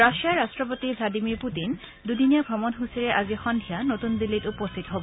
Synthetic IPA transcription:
ɹaʃiaɹastɹɔpotibʱladimiɹputin | dudinijaɡʱɔmɔnɦusiɹɛʔazixɔndʱijanotundilːitupɔst̪ʰitɔɦobɔ

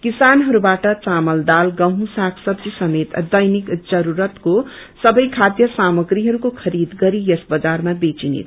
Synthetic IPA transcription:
kisanɦʌɾubaʈʌt͡samʌld̪alɡʌɦũsakʰsʌbd͡zisʌmet̪d̪ʌjnikd͡zʌɾuɾʌt̪kosʌbʌjkʰad̪jʌsamʌɡɾiɦʌɾukokʰʌɾid̪ɡʌɾijʌsbʌd͡zarmabet͡sinḛt̪ʰ

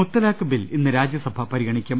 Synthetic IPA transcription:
ut̪ːɐlaːkːɐbilinːɨɾaːd͡ʑjɐsɐbʱɐpɐɾiɣɐɳikʲːɐm

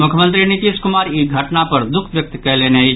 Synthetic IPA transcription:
mʊkʰjəmə̃nt̪̬ɾinɪt̪iːskʊmaːɾiɡʱəʈnapəɾd̪ʊkʰʋjək̚t̪kəlenei

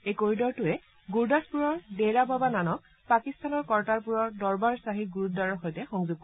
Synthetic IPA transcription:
ejkoɹidɔɹtʊɛ | ɡuɹdaspuɹɔɹdejɹababananɔk̚ | pakistanɔɹkɔɹtaɹpuɹɔɹdɔɹbaɹsaɦit̚ɡuɹut̚daɹɔɹxojtɛxɔŋzʊɡ̚kɔ

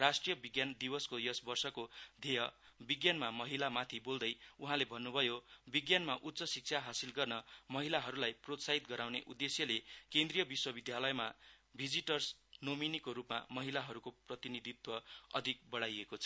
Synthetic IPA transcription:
rasʈrijʌbiɡjand̪ibʌskojʌsbʌrsʌkod̪ʱejʌbiɡjanmamʌɦilamat̪ʰibold̪ʌjuɦãlebʱʌnːubʱʌjobiɡjanmaʔut̪ːsʌsik̚t͡sʰaɦasilɡʌrnʌmʌɦilaɦʌɾulajprot̪saɦit̪ɡʌɾawneʔud̪ːesjʌlekend̪rijʌbiswʌbid̪jalʌjmabʱid͡ziʈʌrsnominikoɾupma̰mʌɦilaɦʌɾukoprʌt̪inid̪ʱit̪wʌʌ̰d̪ʱik̚bʌɽajekot͡sʰʌ

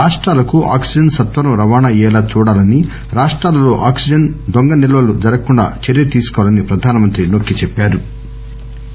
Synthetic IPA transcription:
aːʂʈɾaːlɐkuʔa̰ːksid͡ʒɐnsɐt̪ʋɐɾɐmɾɐʋaːnaːɛːlaːt͡ʃuːɽaːlɐni | ɾaːʂʈɾaːlɐlo̞ːʔa̰ːksid͡ʒɐnd̪oŋɡɐnɛlɐʋɐlud͡ʒɐɾɐkuɳɖa̰ːt͡ʃeɾijɐt̪iːsu̥kɔʋalɐnipɾɐd̪ʱaːnɐmɐnt̪ɾinokːit͡ʃepːaːɾu

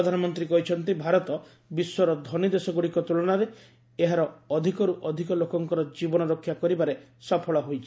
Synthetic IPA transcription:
ɔd̪ʱanɔmɔnt̪ɾikɔɦit͡ʃʰɔnt̪ibʱaɾɔt̪ɔ | biswɔɾɔd̪ʱɔnid̪esɔɡuɽikɔt̪uɭɔñaɾe | eɦaɾɔɔd̪ʱikɔɾuʔɔd̪ʱikɔlokɔŋkɔɾɔd͡ʒibɔnɔɾokʰːjakɔɾibaɾesɔpʰɔɭɔɦojt͡ʃʰi̥

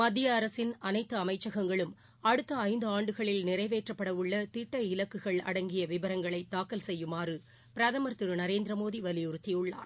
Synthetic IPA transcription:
mɐd̪ːɪjɐːɾɐsɪnɐnɐɪt̪ːɯɐmɐɪt͡ʃːɐɣɐŋɡɐɭɯm | ɐɽɯt̪ːɐɐɪnd̪ɯaːɳɖɯɣɐɭɪlnɪɾɐɪʋeːʈrɐpːɐɽɐʋɯɭːɐt̪ɪʈːɐɪlɐkːɯɣɐɭɐ̰ɽɐŋɡɪjɐʋɪbɐɾɐŋɡɐɭɐɪt̪ːaːkːɐlsɛjːɯmaːrɯ | pɪɾɐðɐmɐɾt̪ːɪɾɯnɐɾeːnd̪ɾɐmoːðiʋɐlɪjʊɾɯt̪ːijɯɭːa̰ːɾ

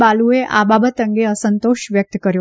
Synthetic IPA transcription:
balueʔa̰babət̪əŋɡeəsənt̪oʃʋjək̚t̪kəɾjo

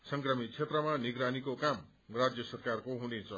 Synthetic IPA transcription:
sʌŋkrʌmit̚t͡sʰet̪rʌmaniɡɾanikokam | rad͡zjʌsʌrkarkoɦunet͡sʰʌ

